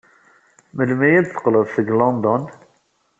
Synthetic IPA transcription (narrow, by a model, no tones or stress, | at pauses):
məlmæjæd̪θə̥qləðˤθəɡlond̪ɔn